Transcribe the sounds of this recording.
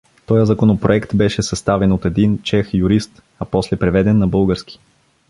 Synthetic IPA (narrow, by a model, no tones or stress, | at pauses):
t̪ɔjəzɐkonopɾoɛkt̪bɛʃɛsɐst̪avɛnot̪ɛd̪int͡ʃɛxjuɾist̪ | ɐpɔslɛpɾɛvɛd̪ɛnːɐbɤlˠɡəɾski̥